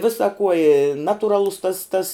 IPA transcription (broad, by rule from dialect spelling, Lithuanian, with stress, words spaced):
ˈʋʲɪsɐ kuɔ ɪ ˈnɑːtʊˌrɑːlˠʊs tɐs tɐs